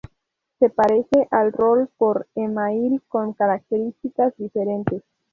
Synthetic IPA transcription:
se̞paɾe̞se̞ʔalro̞lpo̞ɾemailko̞ŋkaɾak̚t̪e̞ɾist̪ikasd̪ife̞ɾe̞nt̪e̞s

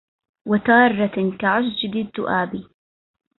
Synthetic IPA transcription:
wat̪ɑːrˤːɑkaʕasd͡ʒɪd̪ɪd̪ːʊʔaːbi

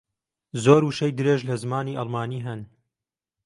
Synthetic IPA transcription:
zoːɾuʃɐjd̪ɨɾeːʒlɐzmaːniːʔɑlˠmaːniːɦɐn

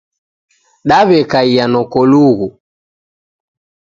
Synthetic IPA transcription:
ɗaβɛkaijanɔkɔluɣu

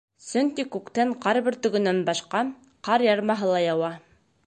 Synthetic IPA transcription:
sɵŋkikʉkt̪æɴqɑɾβɘ̆ɾt̪ɵ̆ɡɵ̆nænbɑʃqɑ | qɑɾjɑɾmɑɦɤlˠɑjɑwɑ

